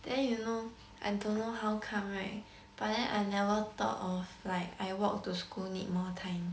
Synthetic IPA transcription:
d̥ɛ̃njuno | ʔaɪdõnːoɦawkʰãme | b̥aʔdɛ̃nʔajnɛvət̪ɔ̰tɔflaɪkajwɔk̚tuskulnḭt̚mɔtʰãɪ̃m

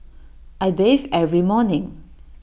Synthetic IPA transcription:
ʔajbevɛvɹimɔnɪ̃ŋ

